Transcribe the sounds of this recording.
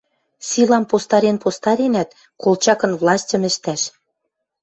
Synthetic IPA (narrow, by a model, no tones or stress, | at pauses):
sʲilɑmpost̪ɑɾenpost̪ɑɾʲenæt̪̚ | kolˠt͡ɕɑkɤ̆nvlɑsʲtʲə̆mɘ̆ʃt̪æʃ